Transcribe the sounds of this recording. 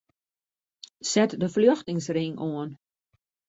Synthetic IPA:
sɛtdəfljøxtɪŋsriŋoən

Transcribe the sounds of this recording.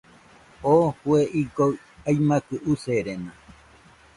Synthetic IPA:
ohueʔiɡoɰ | ajmãkɨʔuseɾenã

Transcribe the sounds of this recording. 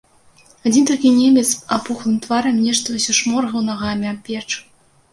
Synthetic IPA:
ad͡zʲint̪akʲinʲemʲet͡sapuxlˠɨmt̪vɑɾʲɛmnʲeʂt̪ɐusʲɔʂmorɣɤ̆wnɑʁɑːmʲapʲet͡ʂ

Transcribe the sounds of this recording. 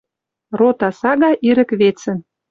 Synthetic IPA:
rot̪ɑsɑɣɑʔiɾə̆kβet͡sə̆n

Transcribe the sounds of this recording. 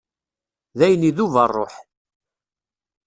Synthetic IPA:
ðæjəniðuvərˤːoħ

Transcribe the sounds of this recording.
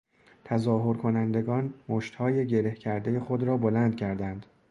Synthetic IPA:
t̪ʰæzɒːɦoɾkʰo̞nænd̪e̞ɡɒːnmoʃt̪hɒːje̞ɟe̞ɾe̞hcʰæɾd̪e̞je̞xod̪ɾɒːbolænd̪̚cʰæɾd̪ænd̪̥

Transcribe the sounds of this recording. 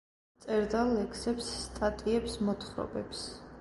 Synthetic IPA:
t̪sʼɛɾd̪alɛkʰsɛpsːt̪ʼat̪ʼiɛpsmɔt̪χɾɔ̰bɛps

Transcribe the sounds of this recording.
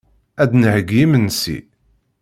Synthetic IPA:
æd̪nəʕəɡjimənsḭ

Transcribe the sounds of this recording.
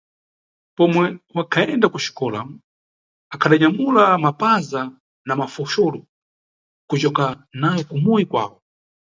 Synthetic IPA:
pɔmwɛwakʰaɛndakuʃi̥kɔlam | akʰaɗaɲamulamapaza | namafɔʃɔlɔ | kut͡ʃɔkanajɔkumujikwa̰ːwɔ

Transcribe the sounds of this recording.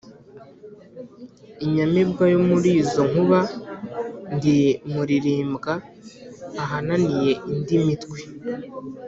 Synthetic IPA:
iɲamebɡwajomuɾiːzo̞ŋ̥uβa | ndimuɾiɾiːmbɡaː | ɦananije̞ʔindimitkwi

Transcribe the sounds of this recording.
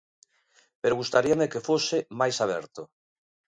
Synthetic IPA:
peɾoɣust̪aɾiamekefosɪmajsaβ̞ɛ̰ɾt̪o

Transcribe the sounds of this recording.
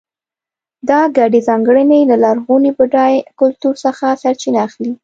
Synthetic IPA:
d̪ɑɡaɖezɑŋɡɽənejlalɑɾɣunibəɖɑjkʊlt̪uɾsəxasaɾt͡ʃinaːxli

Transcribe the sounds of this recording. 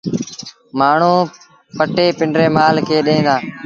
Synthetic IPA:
maːɳ̤ũː | pəʈeːpɪɳɖɾeːmaːlkʰeːɗẽːd̪aː

